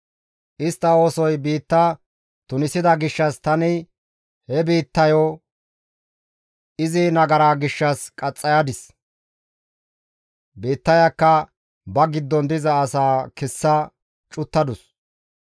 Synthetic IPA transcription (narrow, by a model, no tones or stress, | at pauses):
ʔɪst̪ːɐoːsɔjbiːt̪ːɐ | t̪ʊnɪsɪd̪ɐɡɪʃːɐst̪ɐnɪ | hɛbiːt̪ːɐjɔ | ɪzɪnɐɡɐɾaːɡɪʃːɐskʼɐt͡sʼːɐjad̪ɪs | biːt̪ːɐjɐkːɐ | bɐɡɪd̪ːɔnd̪ɪzɐːsaːkɛsːɐ | t͡ʃʼʊt̪ːɐd̪ʊs